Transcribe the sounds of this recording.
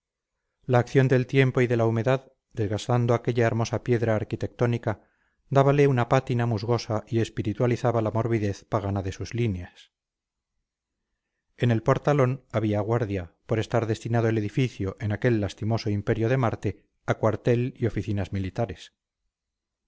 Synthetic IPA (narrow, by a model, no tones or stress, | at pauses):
laːkθjo̞nd̪e̞lt̪je̞mpo̞iðe̞laume̞ðað | d̪e̞zɣast̪and̪oake̞ʎae̞ɾmo̞sapje̞ðɾaːɾkit̪e̞k̚t̪o̞nika | d̪aβale̞unapat̪inamuzɣo̞saʔie̞spiɾit̪waliθaβalamo̞ɾβiðe̞θpaɣ̞anaðe̞suzlinjas | e̞ne̞lpo̞ɾt̪alo̞naβiaɣwaɾðjapo̞ɾe̞st̪aɾðe̞st̪inað̞oele̞ðifiθjo̞ʔe̞nake̞lːast̪imo̞so̞impe̞ɾjoð̞e̞maɾt̪e̞ | akwaɾt̪e̞lio̞fiθinazmilit̪aɾe̞s